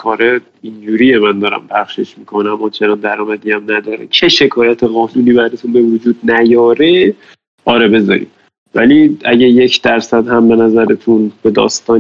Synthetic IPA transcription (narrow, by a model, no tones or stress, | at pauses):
kʰɒːɾe | ind͡ʒuːɾije̞mænd̪ɒːɾæ̰mpʰæχʃe̞ʃmikʰonæmːɒːt͡ʃʰe̞nɒnd̪æɾɒːmæd̪iːæmnæd̪ɒːɾet͡ʃʰe̞ʃe̞kʰɒːjæt̪ʰe̞ɣɒːnuniːbæɾdet̪ʰunbe̞vod͡ʒuːd̪̚næjɒːɾe̞ | ʔɒːɾebe̞zɒ̰ɾḭːm | væliæɟæje̞cʰd̪̥æɾsæd̪hæmbe̞næzæɾet̪ʰunbe̞d̪ɒ̰ːst̪ɒːn